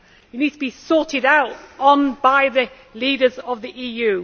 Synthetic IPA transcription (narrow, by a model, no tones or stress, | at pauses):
jɨniːd̚tʰəbisɔˑtɪɾaʊtn̩baɪðə | liːɾəzəvðiʔiːjʉː